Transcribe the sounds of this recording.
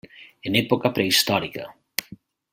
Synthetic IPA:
enɛpokapɾeist̪ɔɾika

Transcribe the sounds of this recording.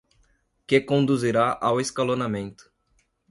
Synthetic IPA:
kekõnd̪uziɾaʔaweskalonamẽnt̪ʊ̥

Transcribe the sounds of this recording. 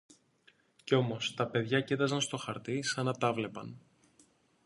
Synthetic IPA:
ceo̞mo̞st̪ɐpe̞ðʝɐcet̪ɐzɐnst̪o̞xɐɾt̪isɐnɐt̪ɐvle̞pɐn

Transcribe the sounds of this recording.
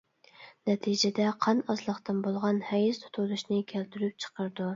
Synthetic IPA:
nɛt̪ʰid͡ʒɛd̪ɛqʰɑnɑzlˠəχt̪ɨnbolˠʁɑnhɛjist̪ʰu̥t̪ʰulˠuʃnɨkʲʰælt̪yɾyp̚t͡ʃʰə̥qəɾd̪u

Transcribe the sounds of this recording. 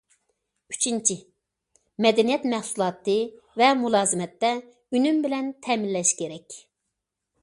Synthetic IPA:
y̥t͡ʃʰint͡ʃʰi | mɛd̪ɛnijɛt̪mæhsulˠɑːt̪ɨ | vɛmulˠɑːzɨmɛt̪ːɛ | ynymbɪlɛnt̪ʰɛminlːɛʃkʲʰeɾɛkʲ

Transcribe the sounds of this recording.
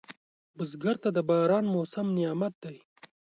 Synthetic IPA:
bʊzɡaɾt̪ad̪əbɑɾɑːnmosamnɪjɑːmat̪̚d̪aj

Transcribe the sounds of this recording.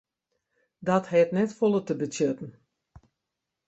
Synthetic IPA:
dɔthɛtnɛtfolˠətəbətjøtn̩

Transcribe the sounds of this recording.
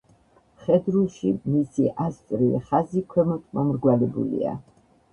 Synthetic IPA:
χɛd̪ɾulˠʃimisiʔast̪sʼɾilɛ̰χazikʰwɛmɔt̪ʰʼmamɾɡwalɛbṵlḭa̰

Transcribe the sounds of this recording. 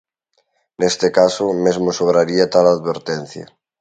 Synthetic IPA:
nest̪ekasomezmosoβ̞ɾaɾiat̪alaðβeɾt̪en̟θja̰

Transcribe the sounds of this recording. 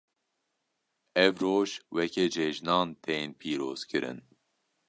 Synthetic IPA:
ɛvɾoːʒwɛked͡ʒɛʒnɑːnt̪ʰenpʰiːɾoːz̥kʰɨɾɨ̰n

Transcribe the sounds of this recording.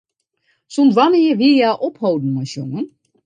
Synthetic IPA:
sonsʋaniəʋiəjaʔophowdn̩masjoŋən

